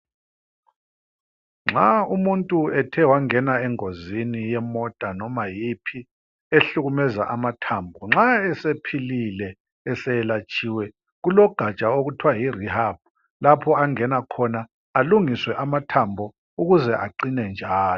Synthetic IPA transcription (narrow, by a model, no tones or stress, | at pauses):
ŋ͡ǁaumuntʼuɛtʰɛwaŋɛnaɛŋozinijɛmɔd̥ʱʼanɔmajipʰi | eɬuɣumɛza̰ʔamatʰambʱɔŋ͡ǁaɛsepʰililɛ | ɛsɛɛlat͡ʃʼiːwɛ | ɣulɔɡ̥ʱat͡ʃʼaoɣutʰwajirihab̥̚ | lapʰɔaŋɛnakʰɔna | aluŋiswɛʔamatʰambʱɔ | uɣuzɛʔaǀinɛnd͡ʒʱaːlɔ